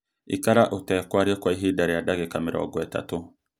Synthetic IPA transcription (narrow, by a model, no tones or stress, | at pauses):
ikaɾaʔotɛːkwaɾiekwaiɦidaɾeadaɡekamɪɾa̰ɔ̰ɡwɛta̰to